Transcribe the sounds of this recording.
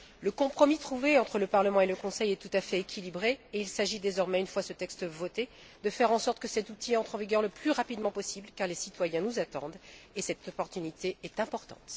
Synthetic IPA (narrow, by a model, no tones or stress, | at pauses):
ləkɔ̃pχɔmit̪χuveɑ̃t̪χələpaʁləmɑ̃eləkɔ̃sɛjɛt̪ut̪afɛekʲʰilibʁeeilsaʒid̪ezɔʁmɛynfwasət̪ɛkst̪əvɔt̪e | d̪əfɛʁɑ̃sɔʁt̪̚kəsɛt̪ut̪iɑ̃t̪χɑ̃viɡʲœʁləplyʁapid̪mɑ̃pɔsiblkaʁlesit̪wajɛ̃nuzat̪ɑ̃d̪esɛt̪ɔpɔʁt̪ynit̪eɛt̪ɛ̃pɔʁt̪ɑ̰̃t̪